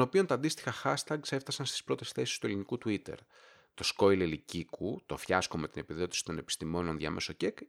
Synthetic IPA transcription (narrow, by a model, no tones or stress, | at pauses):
nopio̞nt̪ɐːnd̪ist̪i̥xɐxɐst̪ɐɡse̞ft̪ɐsɐnst̪i̥spɾo̞t̪e̞sθe̞si̥st̪ue̞linikut̪uit̪e̞̰ɾ | t̪o̞sko̞jlelicikut̪o̞fçɐskome̞t̪ine̞piðo̞t̪i̥si̥t̪o̞ne̞pi̥st̪imo̞no̞nðʝɐ̰me̞so̞cek